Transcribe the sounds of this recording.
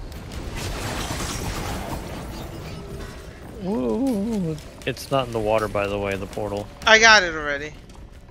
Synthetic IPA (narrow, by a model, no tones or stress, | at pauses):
u | ɨtsnəɾn̩ðəwɔɾə˞baɪðəweɪʌðəpʰɔɹɾl̩ˠaɪɡɑɾɨɾl̩ˠɹɛɾi